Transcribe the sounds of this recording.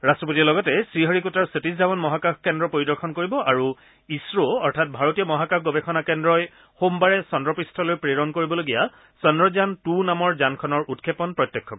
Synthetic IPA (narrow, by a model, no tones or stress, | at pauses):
ɹastɹɔp̬otiɔlɔɡɔtɛsɹiɦɔɹikutaɹsetiszabɔnmɔɦakaxkɛndɹɔpoɹidɔɹxʰɔnkoɹibɔʔaɹu | isɹoɔɹtʰat̚bʱaɹotijɔmɔɦakakʰɡobekʰɔnakɛndɹɔj | xombaɹɛsɔndɹɔpɹistʰɔlojpɹeɹɔnkoɹibɔloɡija | sɔndɹɔzantunamɔɹzankʰɔnɔɹutkʰepɔnpɹɔtːjɛkʰːɔk